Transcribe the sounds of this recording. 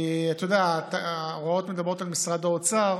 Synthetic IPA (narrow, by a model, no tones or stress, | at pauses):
at̪ojod̪eatʁoɔt̪med̪abʁot̪almisʁad̪aɔt͡saʁ